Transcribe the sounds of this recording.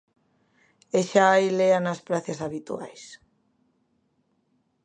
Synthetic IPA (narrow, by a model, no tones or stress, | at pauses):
eʃaajleanaspɾaθjasaβit̪ṵa̰js